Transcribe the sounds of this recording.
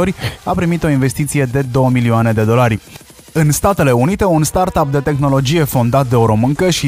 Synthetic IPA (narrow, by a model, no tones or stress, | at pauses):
o̞ɾʲapɾimit̪o̞inve̞st̪it̪sije̞d̪e̞d̪o̞wəmilioane̞d̪e̞d̪o̞laɾʲ | ɨnst̪at̪e̞le̞unit̪e̞unst̪art̪ap̚d̪e̞t̪e̞xno̞lo̞d͡ʒije̞fo̞nd̪at̪̚d̪e̞oɾo̞mɨŋkəʃi